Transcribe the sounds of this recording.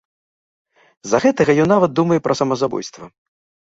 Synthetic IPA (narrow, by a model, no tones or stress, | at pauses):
zɐɣɛt̪ɐɣɐjɔnːavɐt̪̚d̪umɐjɛpɾʔɐsɐmɐzabɔ̰jst̪vɐ